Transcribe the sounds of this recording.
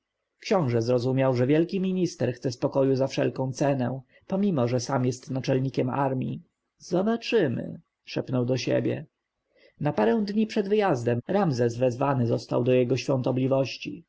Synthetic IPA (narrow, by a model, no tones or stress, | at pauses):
kɕɔ̃w̃ʐɛzɾɔzumʲjawʐɛvʲjɛlkʲimʲiɲist̪ɛɾxt̪sɛspɔkɔjuzafʂɛ̰lkɔ̃w̃t̪sɛnɛ̃ | pɔmʲimɔʐɛsamjɛst̪nat͡ʂɛlɲikʲɛma̰ɾmʲḭ | z̥ɔbat͡ʂɘmɘ̰ | ʂɛpnɔwd̪ɔɕḛbʲjɛ̰ | napaɾɛw̃d̪ɲipʂɛd̪vɘjazd̪ɛmɾamzɛzvɛzvanɘzɔst̪a̰wd̪ɔjɛɡɔɕfʲjɔ̃nt̪ɔblʲivɔɕt͡ɕḭ